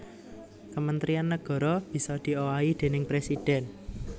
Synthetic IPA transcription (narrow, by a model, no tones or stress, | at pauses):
kəmənt̪ɾianːəɡ̥ɔ̤ɾɔb̥i̤sɔd̪̥i̤owaid̪̥e̤nɪŋpɾesid̪̥ɛn